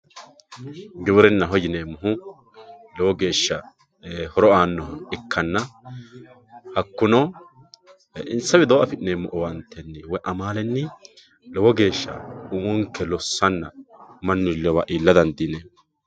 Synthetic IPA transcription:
ɡɪwʊɾɛnːɐɦɔjɪneːmːʊɦʊ | lɛwɔɡe̞ːʃːɐ | hɔɾɔaːnːɔɪkʰːɐnːɐ | hɐkːʊnɔ | ʔɪnsɐwɪd̪ɔwʔɐfɪneːmːɔʔɔwɐnt̪ʰːɛnːɪwɔjʔɐmaːlɛnːɪ | lɛwɔɡe̞ːʃːɐ̰ʊmɔŋkːɛlɔsːɐnːɐmɐnːɪlɛwaʔiːlːɐd̪ɐnd̪iːne

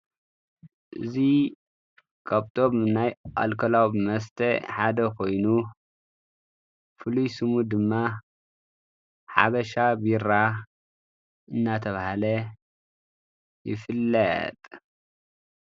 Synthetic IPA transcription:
ʔɨzi | kʰaβt̪ʰʼo̞bnajʔa̰lkʰɐlawbmɐst̪ʰɐħad̪ɐkʰo̞jnu | fɨlujsɨmud̪ɨmːa | ħa̰βɐʃabiɾa | ʔɨnːat̪ʰɐβahalɐ | jɪ̰fɨlːɐt̪ʼ

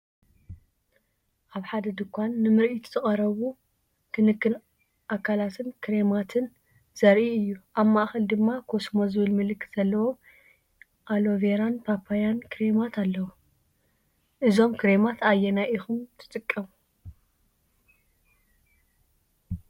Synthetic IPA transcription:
ʔaβħad̪ɐd̪ɨkʷːanːɨmɨɾʔit̪ʰz̥ɨχʼɐɾɐβu | kʰɨnɨkːɨn | ʔakʰːalat̪ʰɨnkʰɨɾemat̪ʰɨn | z̥ɐɾʔiɨjːuʔaβmaʔxɐld̪ɨmːakʰo̞smozɨβɨlmɨlɨkʰːɨt̪z̥ɐlːɐwo̞m | ʔalo̞veɾanpʰapʰːajankʰɨɾe̞mat̪ʰalːɐwu | ʔɨzo̞mkʰɨɾemat̪ʰajɛnaʔixumt̪ʰɨ̥t̪ʼɨkʼːɐmu

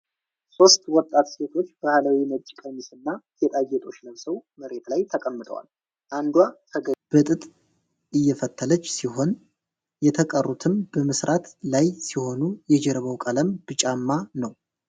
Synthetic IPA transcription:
so̞st̪wɔt̪ʼːat̪se̞t̪ʰo̞t͡ʃːb̥ahləwinət͡ʃʼːkʼəmisɨnːak̪et̪ʼajːɛt̪ʼo̞t͡ʃːləmsəwməɾe̞t̪lajt̪ʰəkʼəmːɨt̪ʰʼə̰wa̰l | ʔand̪wakʰəɡəb̥ɨt̪ʼɨt̪ʼ | ʔɨjːɛfət̪ʰːələt͡ʃːsiho̞n | jɛt̪ʰəkʼərːut̪ʰɨmbəmɨsɾʔat̪lajsiho̞nujɛd͡ʒɛɾβəwkʼələmb̥ɨt͡ʃʼamːanəw

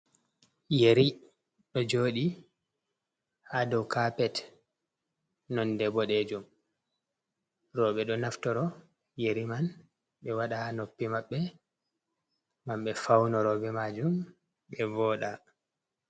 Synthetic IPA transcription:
jeɾi | ɗɔd͡ʒoːɗi | hadɔwkapɛt | nɔndɛbɔɗɛd͡ʒum | ɾɔɓɛɗɔnaftɔɾɔ | jeɾiman | ɓɛwaɗahnopːimaɓːɛ | mamɓɛfawnɔɾɔbɛmad͡ʒum | ɓɛvɔːɗa

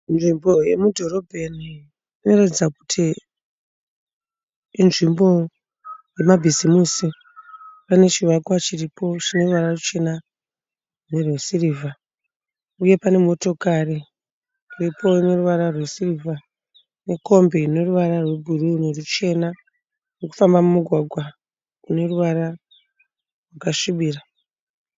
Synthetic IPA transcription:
nʐimbo̞je̞mudʱo̞ɾobʱeni | ino̞ratid͡zaku̥tʰi | nʐimbo̞ | je̞mabʱizimusi | pane̞t͡ʃiwakwat͡ʃiripo̞t͡ʃino̞ruʋararut͡ʃe̞na | ne̞rwesiriːvʱa | uje̞pane̞mo̞to̞kari | ripo̞ine̞ruʋaɾarwesirivʱa | ne̞ko̞mbeine̞ruʋaɾarwe̞bʱurunerut͡ʃe̞na | reku̥fambamumuɡʱwaɡʱwa | une̞ruʋaɾa | rwakaʂiɓiːra

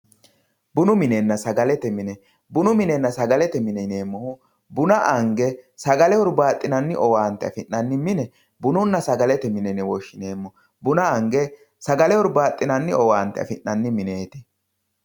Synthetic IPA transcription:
bʊnʊmɪnɛnːɐsɐɡɐlɛt̪ɛmɪnɛ | bʊnʊmɪnɛnːɐsɐɡɐlɛt̪ɛmɪnɛneːmːɔhʊ | bʊnɐʔɐŋɡɛsɐɡɐlɛhɔɾbaːt̪ʼːɪnɐnːɪʔɔwaːnt̪ːɛɐ̰fɪnːɐnːɪmɪnɛ | bʊnʊnːɐsɐɡɐlɛt̪ɛmɪnɛnɛwɔʃːɪneːmːɔ | bʊnɐɐŋɡɛ | sɐɡɐlɛɔɾbaːt̪ʼːɪnɐnːɪɔwaːnt̪ːɛɐ̰fɪnːɐnːɪmɪne̞ːt̪ɪ

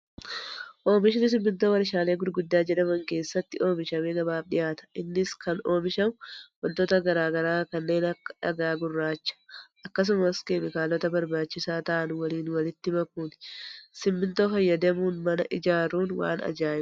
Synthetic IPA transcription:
ʔo̞ːmɪʃɪnɪs̬ɪmːɪnt̪o̞ːwɐɾɪʃaːle̞ːɡʊɾɡʊd̪ːaːd͡ʒɛᶑɐmɐŋke̞ːsːɐt̪ːɪʔo̞ːmɪʃɐmeːɡɐbaːbᶑɪ̰jaːt̪ɐ̥ʔɪnːɪskɐno̞ːmɪʃɐmʊwɐnt̪oːt̪ɐɡɐɾaːɡɐɾaːkɐnːe̞ːnɐkːɐ̥ᶑɐɡaːɡʊrːaːt͡ʃːɐ̥ʔɐkːɐs̬ʊmɐskeːmɪkaːlɔt̪ɐbɐɾbaːt͡ʃːɪsaːt̪ɐʔɐnʊwɐliːnwɐlɪt̪ːɪmɐkːunsɪmːɪnt̪o̞ːfɐjːɐd̪ɐmuːnmɐnɐ̰ʔɪd͡ʒaːɾuːnwa̰ːnɐ̰d͡ʒaːjɪm

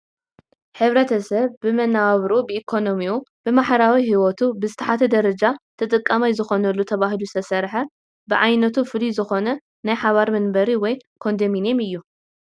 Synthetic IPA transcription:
ħɨβɾɐt̪ʰɐsɐβːɨmɐnaaβɾubɨʔikʰo̞nomiub̥ɨmaħɾawihiwot̪ʰubɨzɨt̪ʰɐħat̪ʰɐd̪ɐɾɐd͡ʒat̪ʰɐt̪ʼɨkʼːɐmajzɨxo̞nɐlːut̪ʰɐβaɦilusʰɐsɐɾħɐ | bɨʕajnɐt̪ʰufɨlizɨxo̞nɐ | najħaβaɾmɐnbɐɾiwɔjkʰo̞nd̪ɐminemɨjːu

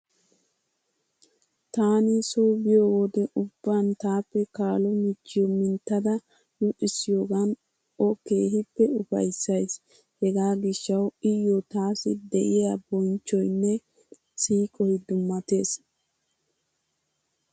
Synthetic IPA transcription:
t̪aːnɪsoːbɪjoːwod̪ɛʔʊbːant̪aːpːɛkaːlɔmɪt͡ʃːɪjɔmɪnt̪ːɐd̪ɐ | nʊʔɪsːɪjoːɡɐn | ɔke̞ːɦɪpːɛʊfɐ̰jsːɐjs | hɛɡaːɡɪʃːɐwɪjːɔt̪aːsɪd̪ɛʔɪjabɔnt͡ʃːɔjnːɛ | siːkʼɔjd̪ʊmːɐt̪e̞ːs

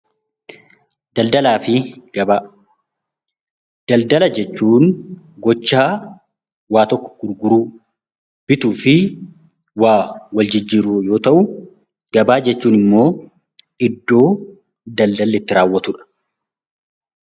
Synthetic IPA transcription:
d̪ɐld̪ɐlaːfɪɡɐbaː | d̪̥ɐld̪ɐlɐd͡ʒɛt͡ʃːuːn | ɡɔt͡ʃːaː | waːt̪ɔkːɔ̥ɡ̥ʊɾɡʊɾuː | b̥ɪt̪uːfɪ | waːwɐld͡ʒɪd͡ʒːiːɾʊjo̞ːt̪ɐʔʊ | ɡɐbaːd͡ʒɛt͡ʃːuːnɪmːo̞ː | ʔɪd̪ːo̞ː | d̪ɐld̪ɐlːɪt̪ːɪɾaːwːɐt̪ʊᶑɐ̥

